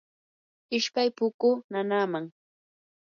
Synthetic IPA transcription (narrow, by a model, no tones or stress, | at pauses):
ɪʃpajpʊkʊnanaːmaŋ